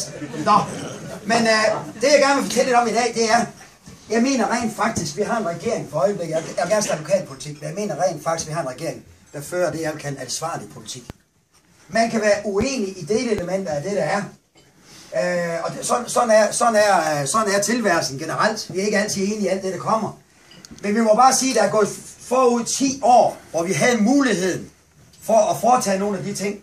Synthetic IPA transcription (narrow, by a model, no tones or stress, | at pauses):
nɒmend̥e̝jaɪɡ̥æɐnʋefɒ̥̽t͡sʰel̰lːe̝̥ɒ̽midɛ̰ːd̥e̝æɐ | jɑ̈ɪme̝̰ːnɐʁɛ̰ɪ̰nd̥fɑ̈ɡ̥̚d̥isɡ̥ʋiɦɑ̈ːe̝nʁɛɡ̥e̝̰ɐeŋfɒ̽ɒ̽ɪəb̥le̝ɡ̥ðjajɑɡ̥æɐsd̥æʋokʰɛ̰ːlpʰo̝li̥t͡sʰḭɡ̥̚menjɑ̈ɪme̝ːnɐʁɛ̰nd̥fɑ̈ɡ̥isʋihɑ̈e̝nʁɛɡ̥e̝ɐeŋd̥ɑføːɐd̥e̝jækʰænæðsʋɑ̈ːlipʰo̝lit͡sʰḭɡ̥ | mænkʰæʋæːɐʔuḛːniʔid̥eːləeləmen̰d̥ɐæd̥eɾ̥ɑæɐ | ɒ̽sɒ̽nsɒ̽næɐsɒ̽næɐsɒ̽næɐt͡sʰe̝lʋæɐ̰sn̩ɡ̥enəʁal̰d̥ʋiɐe̝ɡ̥əæl̰t͡sʰiðˠe̝ːniæld̥eɾ̥ɑ̈kʰɒ̽m̰ɐ | menʋimɒ̽b̥ɑ̈ːsiːd̥ææɐɡ̥ɔ̽ːfɒːuð̞̰ˠt͡sʰḭːɒ̰ːʋɒʋiɦæðˠmuːliɦe̝ð̞̰ˠn̩ | fɒʔːfɒːt͡sʰɛ̰ːno̝ːn̩æd̥it͡sʰe̝ŋ̰